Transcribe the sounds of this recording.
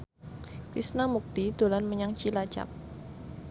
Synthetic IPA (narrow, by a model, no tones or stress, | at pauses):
fisnamuk̚t̪id̪̥olanməɲaŋt͡ʃilḁd͡ʒa̰p̚